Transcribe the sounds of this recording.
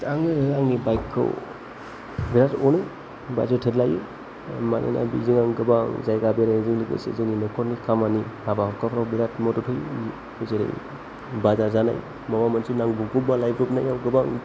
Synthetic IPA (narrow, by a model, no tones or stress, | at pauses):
tʰaŋɯɯaŋnibajkʰːɯ̰w | biɾatɔnɯj | ba̰zatʰetlajḭ | manʔḛna̰bḭziŋaŋɡɯbaŋzajɡabeɾaziŋliɡḛsḛzɯninɔkʰɔɾnikʰamanihabahɔkʰapʰɾawbiɾatmɔtɔtʰɯj | zeɾḛj | bazazana̰j | mɔmamansinaŋbupubalajbɾup̚najawɡɯbaŋ